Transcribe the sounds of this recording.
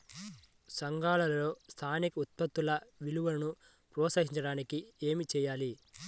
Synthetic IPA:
sɐŋɡaːlɐlɐlo̞ːst̪ʰaːnikɐut̪̚pɐt̪ːulɐʋiluʋɐlɐnu | pɾɔːsɐɦiɲt͡ʃɐɽaːnikie̞ːmit͡ʃɛːjaːli

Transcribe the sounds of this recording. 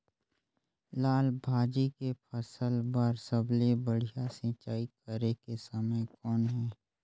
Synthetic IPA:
laːlbʱaːd͡ʒikepʰəsəlbəɾsəblebəɽ̤ijasɪ̃t͡ʃaːikəɾekesəməkɔːnɦɛː

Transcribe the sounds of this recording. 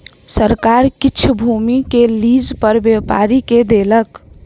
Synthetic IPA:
səɾkaɾkit͡ʃʰbʱumikelid͡ʒpəɾbewpa̰ɾiked̪elək

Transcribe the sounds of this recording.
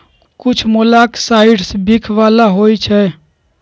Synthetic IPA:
kut͡ʃʰmolaksaiɖsbikʰʋalaɦojt͡ʃʰɛ

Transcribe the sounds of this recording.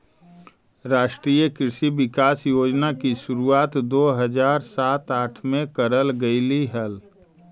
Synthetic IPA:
ɾaːʃʈɾiːjəkɪɾʃiʋɪkaːsjoːd͡ʒnakiʃʊɾuaːt̪d̪oːɦəd͡ʒaːɾsaːt̪aːʈʰmẽkəɾəlɡəɪliɦəl

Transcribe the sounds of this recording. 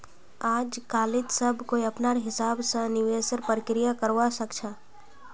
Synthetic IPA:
aːd͡ʒkaːlɪt̪səbʱkoiɐpnaːɾɦɪsaːbsə̃nɪʋeːsəɾpɾəkɾɪjakəɾʋasəkt͡ʃʰaː

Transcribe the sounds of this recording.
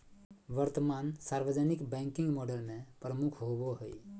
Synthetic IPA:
ʋəɾt̪əmansaɾʋəd͡ʒənikbɛ̃ŋkĩŋɡmɔɖəlmẽpɾəmukʰɦoboɦəj

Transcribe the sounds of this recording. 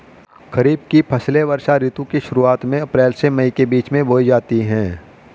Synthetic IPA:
kɐɾiːb̚kipʰɐsleʋɐɾʃaɾiːt̪ũkiʃʊɾuaːt̪mẽɐpɾɛːlsemɐĩkebiːt͡ʃmẽbʱoːid͡ʒaːt̪iɦɛ̃ː

